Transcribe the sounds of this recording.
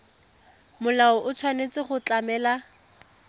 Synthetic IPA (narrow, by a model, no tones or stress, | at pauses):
mʊlaɔʔʊt͡sʰwanet͡sɪχʊt͡ɬamɛːla